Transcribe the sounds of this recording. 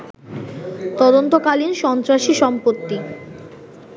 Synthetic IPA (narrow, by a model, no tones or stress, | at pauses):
t̪ɔd̪ont̪okalinʃɔnt̪ɾaʃiʃɔmpot̪ːi